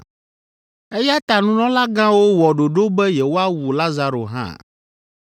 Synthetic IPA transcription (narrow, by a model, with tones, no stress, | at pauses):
e˦ja˦t̪a˨nũ˦nɔ̃˦la˦ɡã˦wo˦wɔ˨ɖo˨ɖo˦bɛ˦jɛ˨wo˦a˦wu˨la˦za˦ɾo̰˨ɦã̰˦˨